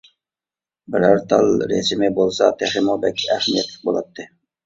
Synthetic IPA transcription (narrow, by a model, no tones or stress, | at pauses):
bɪɾæɾt̪ʰɑlˠɾḛsmɪbolˠsɑt̪ʰæχɪmobɛkʲːæhmijɛt̪lɪ̥k̚ʲbolˠɑt̪ːɪ